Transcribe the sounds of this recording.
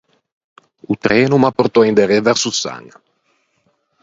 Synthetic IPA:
ut̪ɾɛːnumaport̪ɔind̪eɾevɛɾsusa̰ŋ

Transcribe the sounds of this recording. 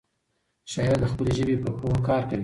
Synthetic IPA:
ʃɑjɾad̪əxpəleʒəbepəhowokɑːɾkawi

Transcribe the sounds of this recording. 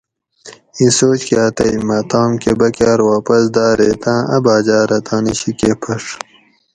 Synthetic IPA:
ĩsoːt͡ɕkaːt̪ɐimɐt̪ɑːmkebɐkaːɾwaːpɐsd̪aːɾeːt̪ãːʔɐ̰baːd͡ʑaːɾɐt̪ɑ̃ːniɕikepʰɐʂ

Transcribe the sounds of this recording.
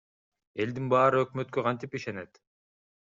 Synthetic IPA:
e̞ld̪inbɑːɾɯøkmøt̪̚køqʰɑnt̪ipiʃe̞ne̞t̪

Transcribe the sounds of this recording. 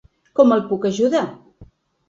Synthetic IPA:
kɔməlˠpukəʒuða

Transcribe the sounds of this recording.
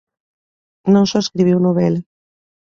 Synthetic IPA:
nõŋsɔeskɾiβ̞iwnoβɛla

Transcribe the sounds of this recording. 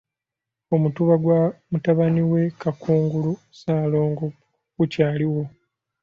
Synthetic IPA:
o̞mutuβaɡwamutaβaniwe̞kakuːŋɡulu | saːlo̞ːŋɡo | ɡ̥ucaːliwo̞

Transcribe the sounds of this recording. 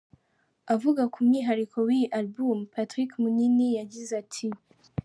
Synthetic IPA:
avuɡakumɲiɦaɾikʰowiʔalbumpatɾikmuninijaɟizatʰi

